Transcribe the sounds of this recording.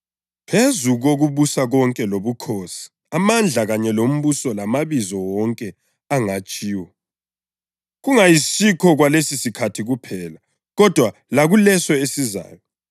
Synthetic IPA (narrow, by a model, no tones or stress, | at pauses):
pʰezuɣoɣuβusaɣɔŋkʼɛloβukʰoːsi̥ | amand͡ɮʱaɣaɲɛlom̩βusɔlamaβizɔwɔŋkʼɛ | aŋat͡ʃʼiːwɔ | ɣuŋajisikʰɔɣwalesisikʰatʰiɣupʰɛla | ɣɔd̥ʱwalaɣulɛsɔesiza̰ːjɔ